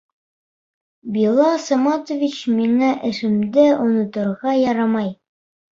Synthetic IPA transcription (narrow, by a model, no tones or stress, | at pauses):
bilˠɑsɑmɑt̪ŏvʲit͡ɕmiŋæʔɘ̆ʃɘ̆md̪ɘʔunɤ̆t̪ŏɾʁɑjɑɾɑmɑj